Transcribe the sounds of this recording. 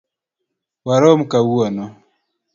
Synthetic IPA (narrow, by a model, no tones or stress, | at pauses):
waɾɔm̩kawuɔnɔ